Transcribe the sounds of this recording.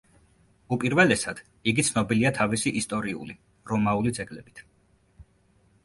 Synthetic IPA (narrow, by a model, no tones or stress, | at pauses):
upʼiɾvɛlɛsad̪̥ | iɡit̪sʰnɔbiliat̪ʰavisiʔist̪ʼɔɾiṵli | ɾɔmaulid̪zɛɡlɛbit̪ʰ